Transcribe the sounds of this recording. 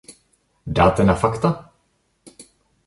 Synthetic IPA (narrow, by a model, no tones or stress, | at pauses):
d̪a̰ːt̪ɛnafakt̪a